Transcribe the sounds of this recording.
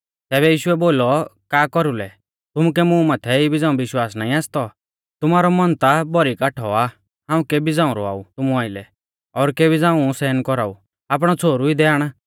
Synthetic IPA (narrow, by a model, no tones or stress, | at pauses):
t̪ɛːβɛjiːʃʊɛboːlɔkaːkɔɾulɛ | t̪ʊmukɛmũmaːt̪ʰɛibɪd͡zãːũbɪʃwaːsnaːĩaːst̪ɔ | t̪ʊmaːɾɔmɔnt̪abɔɾikaʈʰɔa | ɦãːũkebid͡zãːʊ̃ɾɔ̰a̰ːut̪ʊmũaːɪlɛ̰ | ɔːɾkebid͡zãːũsɛːnkɔɾaːṵ | aːp̬ɽ̃ɔt͡sʰoːɾuid̪ɛaːɽ̃a